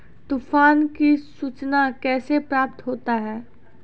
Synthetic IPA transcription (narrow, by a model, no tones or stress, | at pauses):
t̪uːfaːnkisuːt͡ʃnakɛːsepɾaːp̚t̪ɦoːt̪aɦɛː